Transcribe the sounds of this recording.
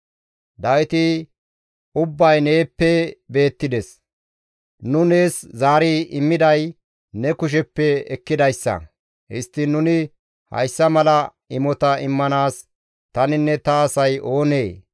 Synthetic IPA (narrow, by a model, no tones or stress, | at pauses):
d̪ɐwɪt̪ɪ | ʊbːɐjne̞ːpːɛbe̞ːt̪ːɪd̪ɛs | nʊne̞ːszaːɾiʔɪmːɪd̪ɐj | nɛkʊʃ̬ɛpːɛɛkːɪd̪ɐjsːɐ̰ | hɪst̪ːɪnʊnɪ | hɐ̰jsːɐmɐlɐ | ɪmɔt̪ɐɪmːɐnaːs | t̪ɐnɪnːɛt̪ɐːsɐjo̞ːneː